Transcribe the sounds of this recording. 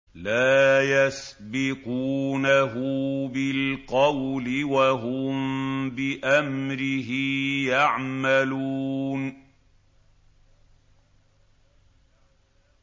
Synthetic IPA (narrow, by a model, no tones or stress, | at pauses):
laːjasbɪquːnaɦʊbɪlqɑwlɪwaɦʊmbɪʔamɾɪɦɪjaʕmaluːn